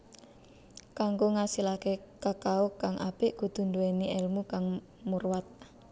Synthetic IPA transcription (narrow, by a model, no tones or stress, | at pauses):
kaŋɡoŋasilakekakaukaŋʔa̰pɪʔɡ̥ṳd̪̥ṳnd̪uweniɛlmukaŋ | murwat̪̚